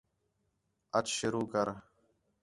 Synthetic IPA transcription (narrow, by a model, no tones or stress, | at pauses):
ət͡ʃʃʊɾuːkəɾ